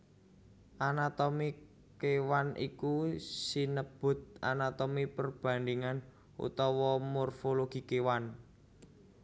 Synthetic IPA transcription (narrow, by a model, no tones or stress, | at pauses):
ʔanat̪ɔmi | kewanḭkusinəb̥ʊ̤t̪̚a̰nat̪omipərb̥ä̤nd̪iŋan | ṵt̪ɔwɔmorfoloɡ̥i̤kewan